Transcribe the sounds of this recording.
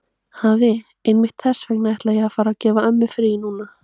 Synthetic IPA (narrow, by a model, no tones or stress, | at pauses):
haːvɪ | ejnmɪht̪θɛsvɛknaɛjht̪lajɛɣafaːɾacɛːvaœmːʏfɾiːinuːna